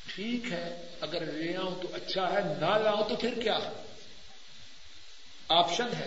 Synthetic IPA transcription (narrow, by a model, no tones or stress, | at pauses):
ʈʰiːkɦɛː | ɐɡəɾʋeãːũt̪oʔɐtːʃʰaɦɛnalaːõt̪opʰɪɾkjaː | aːpʃənɦɛː